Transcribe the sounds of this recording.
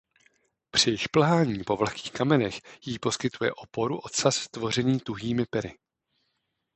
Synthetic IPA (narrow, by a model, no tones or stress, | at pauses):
pr̥ɪjɪʃpl̩ɦaːɲiːpo̞vlki̥ːxkamɛnɛxjiːpo̞skɪt̪ujɛ̰ʔo̞po̞ɾuʔo̞t̪sast̪vo̞r̝ɛniːt̪uɦiːmɪpɛɾɪ